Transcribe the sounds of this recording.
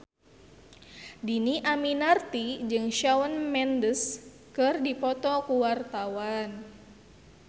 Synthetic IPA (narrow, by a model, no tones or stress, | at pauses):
diniʔaminart̪id͡ʒɨŋʃawənmɛndəs | kɨrdipɔt̪ɔkuwart̪awan